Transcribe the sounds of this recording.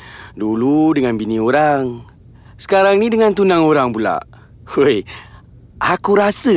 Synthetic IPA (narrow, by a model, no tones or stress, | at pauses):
duludəŋanbinĩoɾaŋ | sə̥kaɾaŋnidəŋant̪unaŋoɾaŋpula̰ʔ | oj | ʔakuɾasə